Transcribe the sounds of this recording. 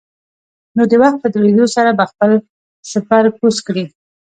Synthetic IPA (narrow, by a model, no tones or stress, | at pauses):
nod̪əwaxt̪̚pəd̪ɾed̪osaɾabaxpəl | ʃapaɾpuskɽi